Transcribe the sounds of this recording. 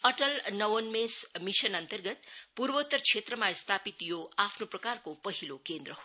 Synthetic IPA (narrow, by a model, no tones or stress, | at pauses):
ʌʈʌlnʌwʌnmesmisʌnʌnt̪ʌrɡʌt̪purbot̪ːʌrt͡sʰet̪rʌmast̪ʰapit̪joʔapʰnoprʌkarkopʌɦilokend̪rʌɦo